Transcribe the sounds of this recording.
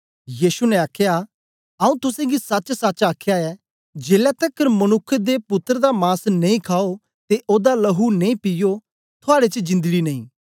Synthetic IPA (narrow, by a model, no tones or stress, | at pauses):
jiːsunɛ̃aːkʰja | ɐũt̪ʊsẽɡisɐt͡ʃsɐːt͡ʃaːkʰjaɛ | d͡ʒeːlɛt̪ɐkːəɾmɐnʊkʰːəd̪epʊt̪ːəɾd̪amaːsnɐĩkʰaːo | t̪eʔoːd̪alɐɦunẽĩpɪjo | t̪ʰʊaːɽet͡ʃəd͡ʒɪ̃nd̪ɡinɐĩː